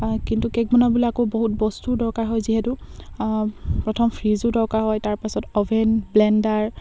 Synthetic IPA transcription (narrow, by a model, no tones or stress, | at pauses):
kintukɛk̚bɔnabulaakoboɦut̚bɔstudɔɹkaɹɦɔjziɦɛtu | pɹɔtʰɔmpʰɹizudɔɹkaɹɦɔjtaɹpasɔtɔbʱɛnblɛndaɹ